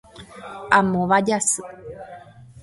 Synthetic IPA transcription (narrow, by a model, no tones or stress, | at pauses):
amõʋad͡ʒasɨ